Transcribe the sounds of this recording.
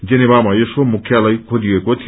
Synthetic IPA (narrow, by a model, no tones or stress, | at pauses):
d͡zenebamaesomukʰjalajkʰoliekot̪ʰi